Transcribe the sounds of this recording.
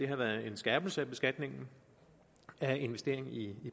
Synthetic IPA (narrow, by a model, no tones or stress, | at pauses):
d̥e̝ɦɑ̈ʋæːɐð̩ˠe̝nsɡ̥æːb̥l̩səæb̥e̝sɡ̥æd̥ne̝ŋn̩ | æe̝nʋesd̥e̝ɐ̰e̝ŋn̩ii